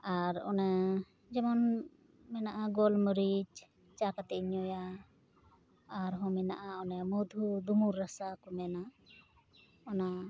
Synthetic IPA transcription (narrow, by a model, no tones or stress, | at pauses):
aɾɔ̰nɛ | d͡ʒɛmɔn | mɛnaʔaɡɔlməɾid͡ʒ | t͡ʃakat̪ɛʔɲɔja | ɾɦɔ̃mɛna̰ʔaɔnɛmɔd̪ʱud̪umuɾːasakɔmɛna | ɔna